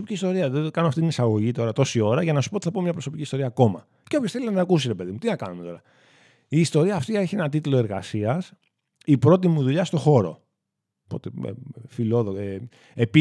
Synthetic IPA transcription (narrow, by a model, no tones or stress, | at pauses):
opiciːst̪o̞ɾiɐðekɐnoɐft̪it̪inisɐɣo̞ʝit̪o̞ɾɐt̪o̞sio̞ɾɐʝɐnɐsu̥pot̪iθɐpo̞mɲɐpɾoso̞piciːst̪o̞ɾiɐːko̞mɐ̰ | ceo̞pçosθe̞liɐnɐkusiɾe̞pe̞ðimut̪inɐkɐnumet̪o̞ɾɐ | iːst̪o̞ɾiɐːft̪ieçe̞nɐt̪it̪ulo̞e̞ɾɣɐ̰siɐs | ipɾo̞t̪̬imuðuʎɐst̪o̞xo̞ɾo̞̰ | po̞t̪eḛfilo̞ðoe | epi